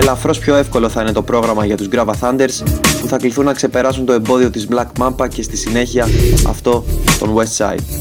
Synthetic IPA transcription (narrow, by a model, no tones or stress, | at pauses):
elɐfɾo̞spço̞e̞fko̞lo̞θɐine̞t̪o̞pɾo̞ɣɾɐmɐʝɐt̪uzɡɾɐvɐθɐnd̪e̞ɾspuθɐkliθunːɐkse̞pe̞ɾɐsunt̪o̞e̞mbo̞ðio̞t̪izblɐkmɐpɐce̞st̪isine̞çiɐɐ̰ft̪o̞t̪o̞nwe̞st̪sɐ̰it̪̚